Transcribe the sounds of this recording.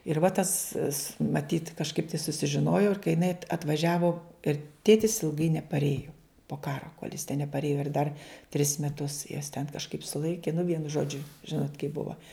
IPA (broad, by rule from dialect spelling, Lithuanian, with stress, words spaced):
ɪr ʋɐ tɐs s mɐˈtʲiːt kɐʃˈkɐɪp tɐɪ sʊsʲɪʒʲɪˈnoːjoː ɪr kɐɪ jɪˈnɐɪ ɐt ɐtʋɐˈʒʲæːʋoː ɪr ˈtʲeːtʲɪs ɪlˠˈɡɐɪ nʲɛpɐrʲˈeːjʊ poː ˈkɑːroː koːlʲ jɪs tʲɛn nʲɛpɐrʲˈeːjoː ɪr dɐr tʲrʲɪs mʲɛˈtʊs juɔs tʲɛn kɐʃˈkɐɪp sʊˈlˠɐɪkʲɪ nʊ ˈʋʲiɛnʊ ˈʒoːd͡ʒʲʊ ˈʒʲɪnoːtʲ kɐɪp ˈbʊʋɐ